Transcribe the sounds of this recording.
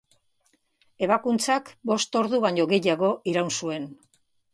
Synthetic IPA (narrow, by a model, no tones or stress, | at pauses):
e̞βakunt͡sakbo̞st̪o̞ɾðuβaɲo̞ɣe̞jaɣo̞ʔiɾawnsue̞n